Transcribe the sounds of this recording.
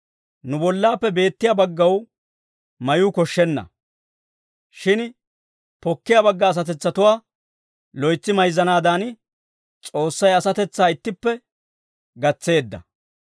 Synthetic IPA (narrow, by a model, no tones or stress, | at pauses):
nʊbɔlːaːpːɛbe̞ːt̪ːɪjabɐɡːɐw | mɐjukɔʃːɛnːɐ̰ | ʃɪn | pɔkːɪjabɐɡːɐːs̬ɐt̪ɛt͡sːɐt̪ʊwaː | lɔjt͡sːɪmɐjzːɐnaːd̪aːn | t͡sʼo̞ːsːɐjɐsɐt̪ɛt͡sːaːɪt̪ːɪpːɛ | ɡɐt͡sːe̞ːd̪ːɐ̰